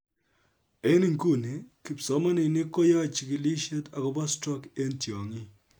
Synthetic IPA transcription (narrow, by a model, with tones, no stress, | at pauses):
e˦ni˦ŋku˦˨ni˨˦ki˨psɔ˦ma˦ni˨ni˦ko˦ja˦˨t͡ʃi˨kɪ˨li˦ʃe˦ta˨kɔ˦ba˦stɾɔ˦ke˦ntjɔ˨ŋi˦